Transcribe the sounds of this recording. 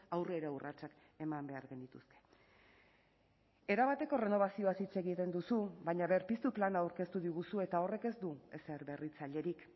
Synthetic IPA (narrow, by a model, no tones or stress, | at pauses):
awre̞ɾaurʔat͡ʃak | e̞mambe̞aɾɣe̞nd̪it̪uske̞̥ | e̞ɾaβat̪e̞ko̞re̞no̞βasio̞at̪it͡se̞ɣit̪e̞nd̪usuβaɲaβeɾpist̪uplanawɾke̞st̪uðiɣusue̞t̪ao̞re̞ke̞zd̪ue̞se̞ɾβe̞rit͡saʎe̞ɾik